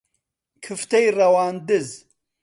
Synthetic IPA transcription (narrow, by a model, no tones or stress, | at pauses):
kʰɨft̪ɐjrɐwaːnd̪ɨz